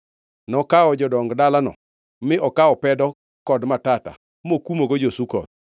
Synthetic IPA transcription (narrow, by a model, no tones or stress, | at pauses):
nɔkaɔd͡ʒɔdɔŋɡdalanɔ̰ | mɪʔɔkaɔpɛdɔ | kɔdmatata̰ | mokumoɡod͡ʒosukɔ̰t̚